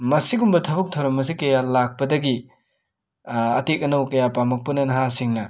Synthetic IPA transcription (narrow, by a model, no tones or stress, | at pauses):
mɐsiɡumbɐtʰɐbuk̚tʰɐwɾɐmɐs̬ikɐjalak̚pɐdɐɡi | ɐtek̚ɐnɐwkɐjapamɐk̚pɐnɐnɐɦasiŋnɐ